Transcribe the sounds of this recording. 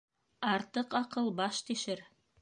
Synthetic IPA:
ɑɾt̪ɤqɑqɤlˠbɑʃt̪iʃɘɾ

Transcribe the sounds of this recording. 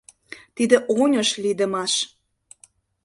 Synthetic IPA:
t̪id̪ə̆ʔonʲəʃlid̪əmɑʃ

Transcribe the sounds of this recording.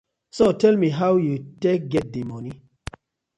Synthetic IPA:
sotʰɛlmiɦawjutɛk̚ɡɛt̚dimɔni

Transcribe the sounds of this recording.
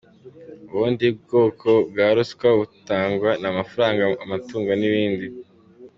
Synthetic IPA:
uβuːndib̚ɡoːkʰo̞bɡaːɾuskwaβutaːŋɡwanamafaɾaːŋɡaːmatuːŋɡoniβiːndi

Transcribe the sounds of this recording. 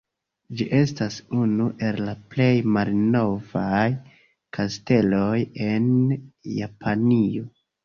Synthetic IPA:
d͡ʒiʔe̞stasunuʔe̞llaple̞jmalno̞vaj | kaste̞lo̞je̞nja̰pʰanio̞

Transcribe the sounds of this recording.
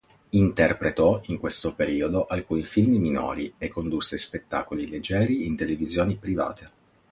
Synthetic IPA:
int̪erpɾet̪ɔiŋkwest̪opeɾiːod̪oʔalkuːnifilmimino̰ːɾiekːond̪usːespet̪ːa̰ːkoliled͡ʒːɛːɾiːnt̪elevizjoːnipɾiva̰ːt̪ʰe

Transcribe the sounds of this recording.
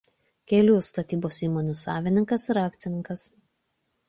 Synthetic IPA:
kʲɛlʲuːst̪ɐt̪ʲiːboːsiːmonʲusɑːʋʲɪnʲɪŋkɐsɾɑːkt̪sʲɪnʲɪŋkɐs

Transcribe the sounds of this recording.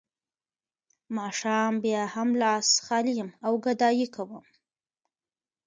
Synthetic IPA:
mɑʃɑːmbjɑhamlɑsxɑlijəmawɡad̪ɑjikʰawəm

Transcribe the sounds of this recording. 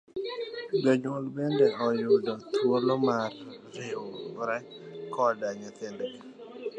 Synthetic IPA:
bɔɲolbendɛɔjʊdɔt̪ʰwoɾlɔmarː | eoɾat͡ʃkʰɔdaɲat̪endɛ

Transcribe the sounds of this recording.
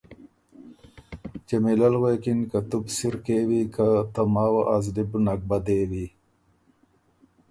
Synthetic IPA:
t͡ʃemilalwekinkat̪ubsiɾkewikat̪amaːwaʔazlibnak̚bad̪ewi

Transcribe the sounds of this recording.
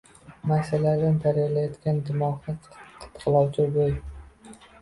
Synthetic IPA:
masalad̪ant̪ʰaɾjalajɒt̪ɡʲand̪ɪmɒhat̪qʰɨ̥t̪qʰɨlˠɒwt͡ʃʰaboj

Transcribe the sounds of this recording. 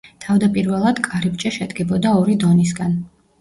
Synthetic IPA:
t̪ʰavd̪apʼiɾvɛlˠad̪kʼaɾib̚t͡ʃʼaʃɛd̪ɡɛbɔd̪aɔɾid̪ɔnisɡan

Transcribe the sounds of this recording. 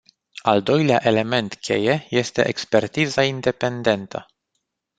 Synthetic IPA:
ald̪o̞jleaʔe̞le̞me̞nt̪kʲʰe̞̰je̞je̞st̪e̞̰ʔekspe̞rt̪izaind̪e̞pe̞nd̪e̞nt̪ʰə

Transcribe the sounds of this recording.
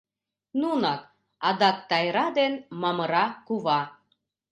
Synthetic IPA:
nunɑk̚ | ɑd̪ɑk̚t̪ɑjɾɑd̪enmɑmɤɾɑkuβɑ

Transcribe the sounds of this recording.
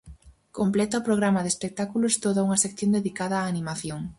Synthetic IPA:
komplɛt̪aɔpɾoɣ̞ɾamɐðespek̚t̪akulʊst̪oðauŋɐsekθjond̪eðikaðɐːnimaθjoŋ

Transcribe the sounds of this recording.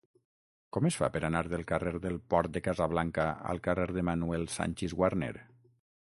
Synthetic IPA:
kɔməsfa̰pəɾanaɾðəlˠkareɾðəlˠpɔɾt̪̚d̪əkazaβ̞laŋkaa̰lˠkareɾðəmanuɛlˠsa̰nʲt͡ʃezɣwaɾnḛɾ

